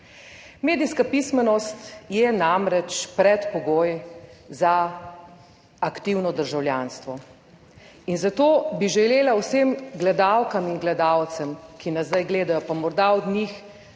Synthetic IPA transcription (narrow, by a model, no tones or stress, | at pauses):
meːd̪iskapismɛnɔst̪jɛnamɾɛt͡ʃpɾɛt̪pɔɡoːjza | kt̪iwnɔd̪əɾʒawljanst̪ʋɔ | inzat̪oːbiʒɛleːlawsemɡlɛd̪awkaminɡlɛd̪awt̪sɛmkinazd̪ajɡleːd̪ajɔpamɔɾd̪aɔd̪nix